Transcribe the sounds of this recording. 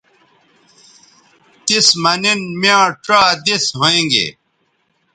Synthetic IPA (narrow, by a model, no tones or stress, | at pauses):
t̪ismɐninmjãːʈ͡ʂaːd̪isɦoẽːŋɡḛ